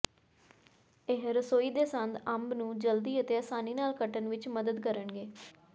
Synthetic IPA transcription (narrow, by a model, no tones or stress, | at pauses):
eːɦɾəsoːiːd̪eːsənd̪əmbnũːd͡ʒəld̪iːət̪eːəsaːniːnaːlkəʈənʋɪt͡ʃməd̪əd̪kəɾəɳɡeː